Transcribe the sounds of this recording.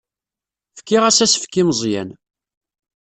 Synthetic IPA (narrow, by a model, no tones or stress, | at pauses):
fə̥kːɪʁæsæsfkːimzˤjæ̰n